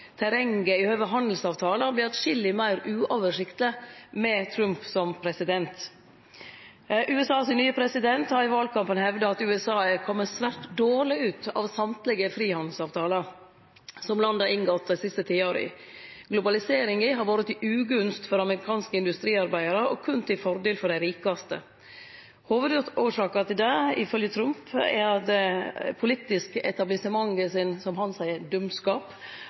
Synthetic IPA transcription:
t̪ʰæɾɛŋɡəɪhøːʋəɦɑnd̪l̩sɑːʋt̪ʰɑːləblɪːt̪ʃɪlːɪmæɪɾʉːʔoːʋəʂɪkt̪ləmɛt̪ʰɾʉmpsɔmpʰɾɛsɪd̪ɛnt̪ | ʔʉːɛsɑːsnyːəpʰɾɛsɪd̪ɛnt̪hɑɾɪʋɑːlkʰɑmpənhɛʋd̪əɑt̪ʉːɛsɑːəkʰɔmːəsʋæɾtd̪oːɭɪʉːt̪ɑ̰ːʋsɑmt̪lɪɡəfɾiːhɑnd̪l̩sɑːʋt̪ʰɑːləɾ | sɔmlɑnd̪ɑʔɪŋɡɔt̪̚ːd̪æɪsɪst̪ət̪ʰiːəoːɾə̰ɪ̰ | ɡlʊbɑlɪseːɾɪŋɪɦɑɾʋoːɾət̪ɪʔʉːɡʉnst̪fɔɾɑməɾɪkʰɑːnskəɪnd̪ʉst̪ɾiːɑɾbæɪəɾəɔkʰʉnt̪ʰɪlfɔɾd̪eːlfɔɾɖæɪɾiːkɑst̪ə̰ | hoːʋəd̪uːʂɑːkɑt̪ɪld̪ɛɪfœljət̪ʰɾʉmpɛɾd̪ɛpʰʊlɪt̪ɪskəɛ̰t̪ɑblɪsəmɑŋːəsɪnsɔmhɑnsæɪəɾd̪ʉmskɑːp

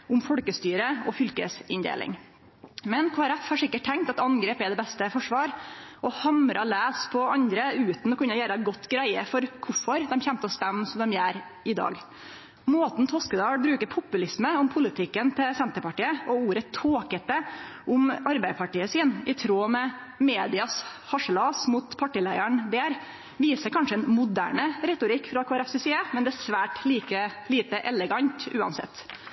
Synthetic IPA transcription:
ʔʊmfɔɽkəst̪yːɾəɔfʏlkəsɪnd̪ḛːlʔɪ̰ŋ | mɛnkʰoːæɾɛfhɑʂɪkːəʈ̚ʰːɛŋk̚t̪ɑt̪ɑnɡɾeːpɛd̪ɛbɛst̪əfɔʂʋɑːɾʔɔhɑmɾʔɑlæːspʰɔɑɲd̪ɾəʉːt̪n̩ɔkʉnːəjæːɾəɡɔt̪ːɡɾæɪəfɔɾkʰʊfɔɾd̪ɛmçɛnt̪əɔst̪ɛmːsɔmd̪ɛmjæːɾ | ɪd̪ɑ̰ːɡ | moːt̪n̩t̪ʰɔskəd̪ɑːɽbɾʉːkəɾpʰʊpːʉlɪsməʊmpʰʊlɪt̪ʰɪkːənt̪ʰɪlsɛnt̪əɾpɑʈiːəʔɔuːɾət̪ʰoːkət̪̚ɛʔʊmɑɾbæɪpʰɑʈiːəsiːnɪt̪ʰɾoːmɛ | meːd̪ɪɑshɑʂəlɑːsmuːt̪pʰɑʈiːlæɪæɳd̪eːɾ | ʋiːsəɾkʰɑnʂəɛnmʊd̪æ̰ːɳəɾɛt̪ʊɾɪkːfɾɑkʰoːɛɾɛfsɪsiːəmɛnd̪ɛæsʋæːʈliːkəliːt̪əʔɛlɛɡɑɲt̪ʉːɑ̰nsɛ̰t̪ː

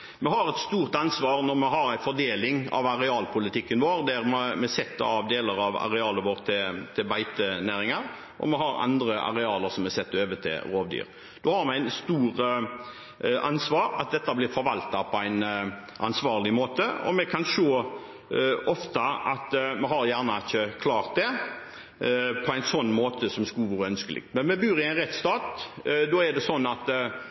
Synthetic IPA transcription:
mɛhɑɾɛt̪st̪uːʁt̪ɑnsʋɑːɾnɔɾmɛɦɑɾæɪfɔɖ̪eːlɪŋɑ̰ʋɑɾɛɑːlpʰʊlɪt̪ʰɪkːənʋoːɾd̪æɾmɛmɛsɛt̪ːəɑʋd̪eːləɾɑʋɑ̰ɾɛɑːləɾʋoːɾt̪ʰːɪlt̪ʰɪlbæɪt̪ənæːɾɪŋɑɾ | ʔɔ̰mɛɦɑɾɑ̰nd̪ɾəʔɑ̰ɾɛɑːləɾsɔmɛsɛt̪ːøːʋət̪ʰɪ̰ɾoːʋd̪y̰ːɾ | d̪̥ɔhɑɾmɛæɪnst̪uːɾ | ʔɑnsʋɑːɾɑ̰t̪̚d̪ɛt̪ːɑblɪɾfɔɾʋɑlt̪ɑpʰɔæɪn | ʔɑ̰nsʋɑːʁlɪmoːt̪əɔ̰mɛkʰɑnʂoː | ʔɔft̪ɑɑt̪mɛɦɑɾjæːʁnɑɪçəkʰlɑːʁt̪̚d̪ɛ | pʰɔæɪnsɔnːmoːt̪ʰəsɔmskuːʋʉɾœnskəlɪ̰ɡ̚t̪mɛnmɛbyːɾɪæɪnʁɛt̪st̪ɑːt̪d̪oːæd̪ɛsɔnːɑt̪

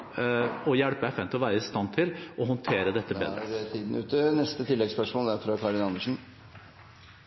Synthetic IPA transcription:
ɔjæɽpəæfæːnt̪ɪlɔʋæːɾəɪst̪ɑnt̪ʰɪlʔɔɦɔnt̪ʰeːɾəd̪ɛt̪ːəbḛːd̪ɾɛt̪ʰiːd̪n̩ʉːt̪ənɛst̪ət̪ʰɪlːɛɡspœʂmoːld̪æɾfɾɑkʰɑːɾɪnɑnːəʂn̩

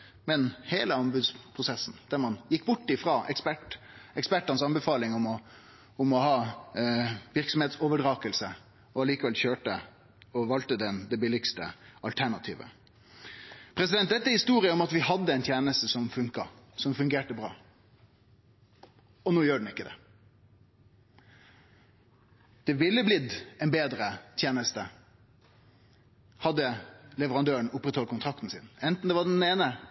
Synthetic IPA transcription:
mɛnheːləɑmbʉd̪spʰʁʊsɛsːn̩d̪̥æɾmɑnjɪkːbʊʈːɪfɾɑːʔɛkspæʈ | ɛkspæʈːɑnsɑnbɛfɑːlɪŋɔmɔ | ʊmɔhɑː | ʋɪɾksɔmheːt̪sɔːʋəɖɾɑːkəlsə | ɔɑliːkəʋɛlçøːʈə | ɔʋɑlt̪əd̪ɛnd̪ɛbɪlɪɡst̪ə̰ʔɑlt̪ʰæɳɑt̪ʰḭːʋə̰ | pʰɾɛsɪd̪ɛnt̪̚d̪ɛt̪ːəhɪst̪uːɾɪəɔmɑt̪ʋɪhɑd̪ːəɛɪnt̪ʰjeːnəst̪əsɔmfʉŋkɑsɔmfʉŋɡeːʈəbɾɑ̰ː | ɔnuːjøːɖɳ̩ɪkːəd̪ɛ̰ | d̪̥ɛʋɪlːəblɪd̪ɛnbeːd̪ɾət̪ʰjeːnəst̪ə | hɑd̪ːəlɛʋəɾɑnd̪øːəɳʊpːɾɛt̪hɔlkʊnt̪ʰɾɑk̚t̪n̩sɪnɛnt̪n̩d̪ɛʋɑɖɛn̩eːnə

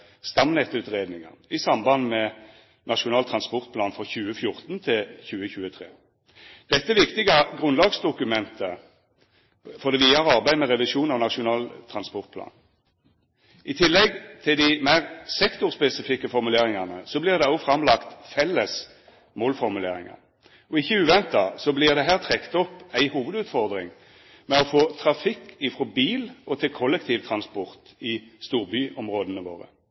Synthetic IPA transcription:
st̪ɑmnɛt̪ʉːt̪ʁeːd̪nɪŋə̰nɪsɑmbɑnmɛ | nɑʃʊnɑːlt̪ʰʁɑnspɔʁt̪̚pʰlɑːnfʁɔçʉːəfjʊʁt̪nt̪ʰɪçʉːəçʉːət̪ʰʁḛː | d̪̥ɛt̪ːəʋɪkt̪ɪɡɑɡʁʉnlɑːɡsd̪ʊkʉmɛnt̪ə | fɔʁd̪ɛʋiːɑɾɑʁbæɪmɛʁɛʋɪʃuːnɑʋnɑʂʊnɑːlt̪ʰʁɑnspɔʁt̪̚pʰlɑ̰ːn | ʔɪt̪ʰɪlːɛɡt̪ʰɪld̪ɪmæɪʁsɛkt̪ʊʁspɛsɪfɪkːəfɔʁmʉleːʁɪŋɑnəsɔblɪːʁd̪ɛɔfɾɑmlɑkt̪fɛlːəs | moːlfɔʁmʉlḛːʁɪ̰ŋɑ̰ | ɔɪçːəʉːʋɛnt̪ɑsɔblɪʁd̪ɛɦæːʁt̪ʰʁɛkt̪ɔpːæɪhuːʋəd̪ʉːt̪fɔʁd̪ʁɪ̰ŋ | mɛɔfoːt̪ʰʁɑfɪkːɪfʁɔbiːlɔt̪ʰɪlkʰɔlːɛkt̪ʰiːʋt̪ʰʁɑnspɔʁt̪ɪst̪uːʁbyʔɔmʁoːd̪ənəʋo̰ːʁə̰

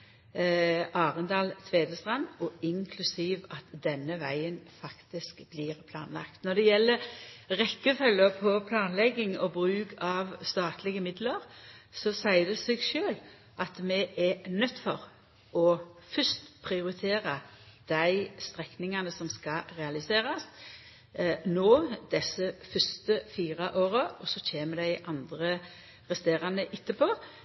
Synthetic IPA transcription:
ʔɑːʁənd̪ɑːlt̪ʰʋeːd̪əst̪ʁɑnɔɪŋkʰlʉsiːʋɑt̪d̪ɛnːəʋæɪənfɑkt̪ɪskbliːʁpʰlɑ̰ːnlɑ̰kt̪nɔd̪ɛjɛlːəʁɛkːəfœlːəpʰɔpʰlɑːnlɛɡːɪŋɔbʁʉːkʰɑʋst̪ɑːt̪lɪɡəmɪd̪ləɾsɔsæɪd̪ɛseɡʃøːl | ʔɑt̪mɛʔɛnœt̪ːfɔɾ | ɔfœst̪pʰɾɪʊɾɪt̪ʰeːɾɑd̪̥æɪst̪ɾɛknɪŋɑnəsɔmskɑʁɛɑlɪseːɾɑs | noːd̪ɛsəfœst̪əfiːɾɑʔoːɾəʔɔsɔc͡çʰeːməd̪æɪʔɑnd̪ɾə | ʁɛst̪eːɾɑnəʔɪt̪ːəpʰoː

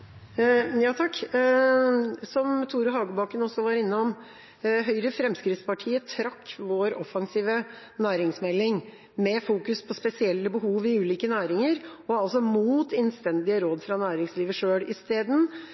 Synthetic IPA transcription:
jɑːt̪ʰɑkː | sɔmt̪ʰuːɾəɦɑːɡʊbɑːkənɔsːɔʋɑɾɪnːəɔm | ɦœʏɾəfɾɛmskɾɪt̪spʰɑʈʰiːət̪ʰɾɑkːʋoːɾɔfɑŋsiːʋə | næːɾɪŋsmɛlːɪŋ | mɛfuːkʉspʰɔspɛsɪɛlːəbəɦuːʋɪʉːliːkənæːɾɪŋəɾɔɑlsɔmuːt̪ɛnst̪ɛnd̪ɪəɾoːd̪fɾɑnæːɾɪŋsliːʋəʂøːɽɪst̪eːd̪n̩

